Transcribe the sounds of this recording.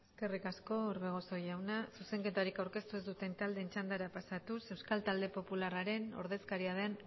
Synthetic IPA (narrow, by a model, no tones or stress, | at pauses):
eske̞rikasko̞ːɾβe̞ɣ̞o̞so̞jawnasuse̞ŋke̞t̪aɾikawɾke̞st̪ue̞zd̪ut̪e̞nt̪ald̪e̞ːnt͡ʃand̪aɾapasat̪use̞wskalt̪ald̪e̞po̞pularaɾe̞no̞̰ɾðe̞skaɾiað̞en